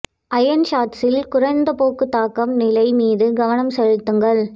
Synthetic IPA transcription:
ʔɐjɐnʃaːʈ̪sɪlkʊrɐɪnd̪ɐpoːkːɯt̪ːaːkːɐmnɪlɐɪmiːðɯɡɐʋɐnɐmsɛɻɯt̪ːɯŋɡɐɭ

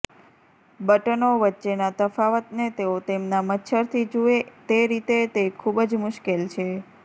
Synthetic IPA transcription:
bəʈənoʋətːʃenat̪əfaʋət̪net̪eot̪emnamət̪ːʃʰəɾt̪ʰid͡ʒuet̪eɾit̪et̪ekʰubd͡ʒmʊʃkelt͡ʃʰe

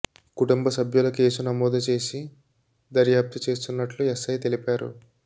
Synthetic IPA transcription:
kuʈumbɐsɐbʱjulɐke̞ːsunɐmɔːd̪ʱɐt͡ʃe̞ːsi | d̪ɐɾjaːp̚t̪it͡ʃe̞ːst̪unːɐʈluɛsɐjt̪e̞lipaːɾṵ

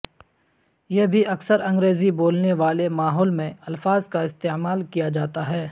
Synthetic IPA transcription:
jebʱiɐksəɾɐ̃ŋɡɾeːziboːlneʋaːlemaːɦɔːlmẽɐlfaːzkaɪst̪eːmaːlkijad͡ʒaːt̪aɦɛː

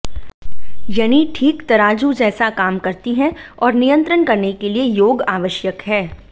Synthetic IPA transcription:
jɐːniʈʰiːkt̪ɐɾaːd͡ʒud͡ʒɛːsakaːmkɐɾt̪iɦɛ̃ɔːɾnijə̃nt̪ɾənkɐɾnekeliejoːɡaːʋəʃjəkɦɛː

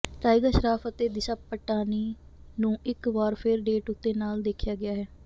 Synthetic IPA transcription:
ʈaːɪɡaːʃəɾaːfət̪eːd̪ɪʃaːpəʈːaːniː | nũːʔɪkʋaːɾpʰɪɾɖeːʈʊt̪ːeːnaːld̪eːkʰjaːɡɪjaːɦɛː

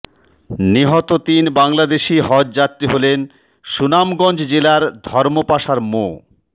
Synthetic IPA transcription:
niɦɔt̪ot̪inbaŋlad̪eʃiɦɔdd͡ʑat̪ːɾiɦolen | ʃunamɡɔnd͡ʑd͡ʑelaɾd̪ʱɔɾmopaʃaɾmo

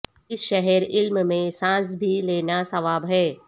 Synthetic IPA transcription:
ɪʃɛɦɛɾɪlmmẽsãːs̬bʱileːnasɐʋaːbɦɛː

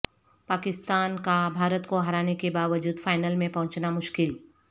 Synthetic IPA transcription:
paːkɪst̪aːnkabʱaːɾət̪koɦɐɾaːnekebaːʋəd͡ʒuːd̪faːɪnəlmẽpɐɦʊ̃t͡ʃnamʊʃkɪl

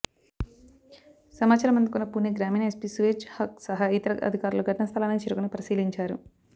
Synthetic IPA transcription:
sɐmaːt͡ʃaɾɐmɐnd̪ikunːɐpunːeɡɾaːmiːnɐespisʋet͡ʃhɐk̚sɐɦɐit̪ɐɾɐʔɐ̰d̪ʱikaːɾuloɡʱɐʈɐnɐst̪ʰɐlaːnit͡ʃeːɾukunipɐɾisiːliɲt͡ʃaːɾu

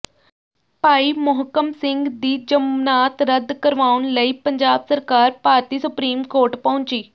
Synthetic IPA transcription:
paːiːmʊɦkəmsɪ̃ŋɡd̪iːd͡ʒəmnaːt̪ɾəd̪kəɾʋaːʊnləiːpəɲd͡ʒaːbsəɾkaːɾpaːɾt̪iːsʊpɾiːmkoːɾʈpɐʊ̃ɲt͡ʃiː

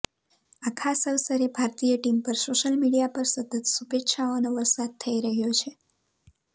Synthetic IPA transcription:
akʰasəwsəɾebʱaɾt̪ijəʈimpəɾsoʃəlmiɽijapəɾsət̪ət̪subetʃaonoʋəɾsad̪̚t̪ʰəiɾəɦjot͡ʃʰe

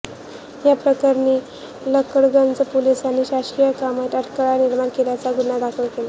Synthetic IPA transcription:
japɾəkaɾniː | ləkəɽɡənd͡zəpolisaniɕaɕɾijəkamət̪əʈkəɭaniɾmaɳkeljat͡saɡunad̪akʰəɭkela

